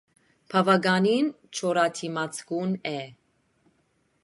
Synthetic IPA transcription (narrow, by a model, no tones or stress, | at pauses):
pʰɑvɑɡɑnin | t͡ʃʰɔɾɑt̪ʰimɑt͡sʰɡunɛ